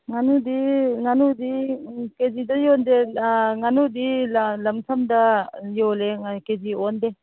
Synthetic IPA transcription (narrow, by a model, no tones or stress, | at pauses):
ŋanudiŋanudikezidɐjɔndeŋanudillɐmtʰɐmdɐjoleŋkeziɔnde